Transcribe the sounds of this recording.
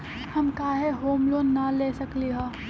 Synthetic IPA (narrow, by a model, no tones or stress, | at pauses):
hɐmkaːɦeɦoːmloːnːɐleːsɐkliɦɛ̃ː